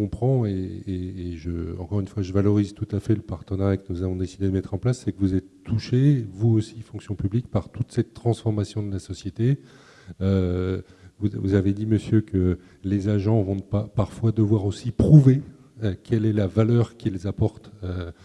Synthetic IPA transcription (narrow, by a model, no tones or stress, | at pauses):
ɔ̃pχɑ̃eː | ʒəɑ̃kɔʁynfwaʒəvalɔʁizt̪ut̪afɛləpaʁt̪ənɛʁaɛkənuzavɔ̃d̪esid̪ed̪əmɛt̪χɑ̃plasːɛkəvuzɛt̪ːuʃevuosifɔ̃ŋksjɔ̃pyblik̚paʁt̪ut̪sɛt̪ːχɑ̃sfɔʁmasjɔ̃d̪əlasɔsjet̪e | ø | vuvuzaved̪iməsjøkə | lezaʒɑ̃vɔ̃d̪əpapaʁfwad̪əvwaʁosipχuve | kʲɛlɛlavalœʁkʲilzapɔʁt̪ø